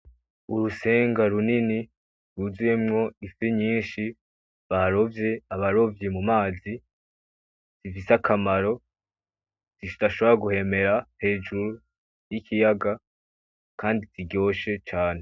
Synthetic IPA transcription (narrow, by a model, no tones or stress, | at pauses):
uɾuse̞ːŋɡaɾunini | ɾuzujemŋo̞ifiɲiːnʃi | βaɾo̞vje̞aβaɾo̞vjemumaːzi | z̥ifisakʰamaɾo̞ | z̥iʃdaʃo̞βoɾaɡuhe̞me̞ɾahe̞ːd͡ʒuɾu | jikijaɡa | kaːndiziɟo̞ːʃe̞t͡ʃaːne̞